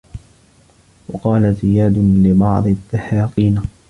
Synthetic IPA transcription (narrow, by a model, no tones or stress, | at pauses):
wɑqɑːlazɪjaːd̪lɪbɑʕd̪ˤðːahaːqiːna